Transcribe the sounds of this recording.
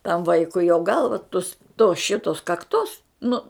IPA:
tɐm ˈʋɐɪkʊɪ joː ˈɡɐlˠʋɐ tʊs toː ˈʃʲɪtoːs kɐkˈtoːs ˈnʊ

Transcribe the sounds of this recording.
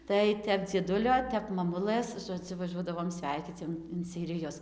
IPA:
tɐɪ ˈtʲɛp d͡zʲiɛˈdʊlʲoː ˈtʲɛp mɐˈmʊlˠɘs ʒoːˈd͡zʲʊ ʋɐˈʒuɔdɐʋoːm ˈsʲʋʲɛɪkʲiːt͡s joː ɪn sʲɛɪrʲɪˈjʊs

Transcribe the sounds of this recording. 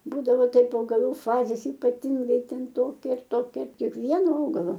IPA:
ˈbuːdɐʋoː ˈtɐɪp ɐʊɡɐˈlˠuː ˈfɑːzʲeːs iːpɐˈtʲɪŋɡɐɪ ˈtʲɛn ˈtoːkʲɛ ɐr ˈtoːkʲɛ kʲiɛkˈʋʲiɛnoː ˈɐʊɡɐlˠoː

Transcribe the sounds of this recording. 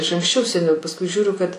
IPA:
ɪʃ ɐŋksʲˈt͡ʃʲɛʊ sʲɛˈnʲɛʊ pɐsˈkʊɪ ˈʒʲuːrʲʊ kɐt

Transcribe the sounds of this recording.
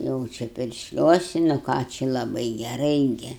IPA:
ˈjɛʊ t͡ʃʲɛ pʲɪrʲʃʲˈlʲuɔsʲɪ nʊ ˈkɑː t͡ʃʲɪ lˠɐˈbɐɪ ɡʲɛˈrɐɪ ˈɡʲɪ

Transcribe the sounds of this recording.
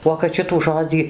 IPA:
uɔ kɐt ˈʃʲɪtuː ˈʒoːd͡zʲiː

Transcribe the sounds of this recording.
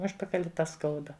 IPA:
ˈʊʃpɐkɐlʲɪ tɐ ˈskɐʊdɐ

